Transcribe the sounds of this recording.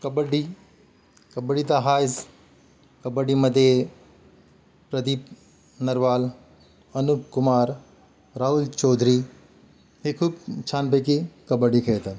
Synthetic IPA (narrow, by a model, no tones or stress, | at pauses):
kɐbəɖi | kɐbəɖit̪aɦaːɪs | kɐbəɖimɐd̪e | pɾɐd̪ip | nɐɾʋaːl | ɐnukʊmaːɾ | ɾaːɦult͡ʃɔːd̪ʱɾi | hekʰubt͡ʃʰaːnpəkikɐbəɖikʰeːt̪ə